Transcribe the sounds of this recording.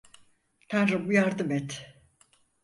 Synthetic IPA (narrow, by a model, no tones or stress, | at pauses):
t̪ʰanɾubujaɾd̪ɯmɛt̪